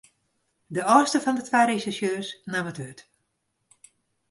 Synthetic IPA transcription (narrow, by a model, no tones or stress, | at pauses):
dəɔːstəfɔndətʰʋaːɾesisjøːsnamətyt